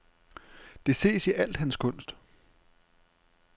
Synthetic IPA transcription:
d̥e̝se̝̰ːsiʔæl̰d̥hænskʰɔ̽n̰sd̥

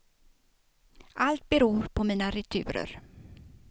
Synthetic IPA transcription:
ʔalt̪̚bɛɾuːɾpʰɔmiːnaɾɛt̪ʰʉ̟̰ːɾə̰ɾ

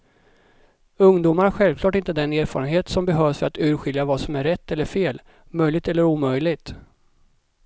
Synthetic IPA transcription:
ɵŋd̪uːmaɾɧɛlvklɑːʈɪnt̪əd̪ɛneːɾfɑːɾənɦeːt̪sɔmbɛɦøːvsfœɾat̪ʉ̟ːɾɧɪljavasɔmæɾɛt̪ːɛlːəɾfeːl | mœjlɪɡ̚t̪ɛlːəɾuːmœjlɪɡt̪

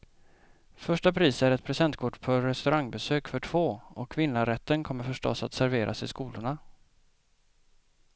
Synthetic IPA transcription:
fœʂʈapʰɾiːsæɾɛt̪̚pʰɾɛsɛnt̪kʰʊʈːpʰɔɾɛst̪ɵɾʔaŋbɛsøːkfœʈʰv̥oːɔkʰːvɪnːaɾɛt̪ːənkʰɔmːəɾfœʂʈɔ̰sːat̪sæɾveːɾʔa̰sɪskuːlʊɳa

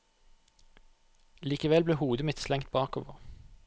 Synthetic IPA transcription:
liːkəʋɛlbleːhuːd̪əmɪt̪slɛŋt̪̚bɑːkoːʋəʁ

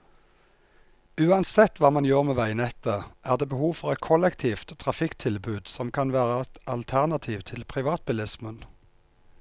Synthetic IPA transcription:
ʉːɑnsɛt̪ːʋɑːmɑnjøːʁmeːʋæɪənɛt̪ːəʔæːʁd̪eːbəhuːʋfɔʁɛt̪̚kʰɔlɛkt̪ʰiːft̪ːʰʁɑfɪkt̪ʰɪlbʉːd̪sɔmkʰɑnʋæːʁəɑlt̪ʰæʁnɑt̪ʰiːʋt̪ʰɪlpʰʁɪʋɑːt̪̚bɪlɪsmən

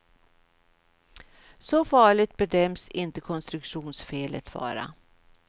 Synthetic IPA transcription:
sɔfɑːɭɪt̪̚bɛd̪œmsɪnt̪əkʰɔnst̪ɾɵkʂuːnsfeːlə̰t̪vɑ̰ːɾa̰

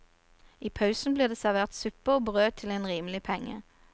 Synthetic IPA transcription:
iːpʰɑʉsn̩bliːʁd̪eːsæʁʋeːʁt̪sʉpəoːbʁøːt̪ʰɪleːnʁiːməlɪpʰɛŋə̰

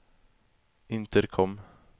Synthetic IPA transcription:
ɪnt̪ʰəɾkʰɔm

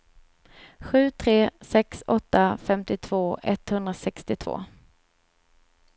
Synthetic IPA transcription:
ɧʉ̟ːt̪ʰɾeːsɛksɔt̪ːafɛmt̪ɪt̪ʰv̥oːɛt̪hɵnd̪ɾasɛkst̪ɪt̪ʰvo̰ː

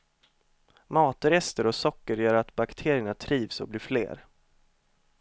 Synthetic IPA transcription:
mɑːt̪ɾɛst̪əɾɔsɔkːəɾjœːɾat̪bakt̪ʰeːɾɪəɳat̪ʰɾiːvsɔ̰bliːflḛːɾ

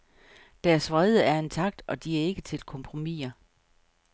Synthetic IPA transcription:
d̥æɐsʋʁaðˠəæɐe̝nt͡sʰɑ̈ɡ̥̚d̥ɒ̽d̥iæɐe̝ɡ̥ət͡sʰe̝lkʰɒ̽mpʰʁo̝mḭɐ

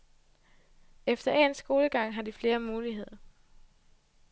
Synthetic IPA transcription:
efd̥ɐʔeːnsɡ̥o̝ːləɡ̥ɑ̈ŋ̰ɦɑ̈d̥ifle̝ːɐmuːliɦe̝ð̞̰ˠɐ

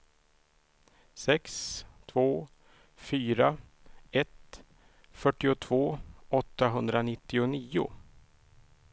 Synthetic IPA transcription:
sɛkst̪ʰvoː | fyːɾa | ɛt̪ | fœʈːɪʊt̪ʰvoːɔt̪ːaɦɵnd̪ɾanɪt̪ːɪʊniːʊ̰

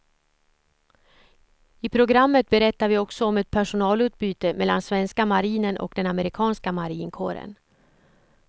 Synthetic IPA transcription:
ɪpʰɾʊɡɾamːət̪̚bɛɾɛt̪ːaɾvɪɔksɔɔmɛt̪̚pʰæʂʊnɑːlʉ̟ːt̪̚byːt̪əmɛlːa̰nsvɛnskamaɾiːnənʔɔ̰kd̪ɛnaməɾɪkʰɑːnskamaɾiːnkʰo̰ːɾə̰n

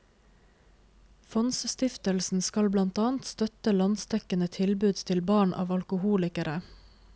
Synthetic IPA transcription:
fɔnsst̪ɪft̪əlsn̩skɑlblɑnt̪ɑːnt̪st̪œt̪əlɑnst̪ɛkənət̪ʰɪlbʉd̪t̪ʰɪlbɑːɳʔɑ̰ːʋɑlkʊhuːlɪkəɾʔə

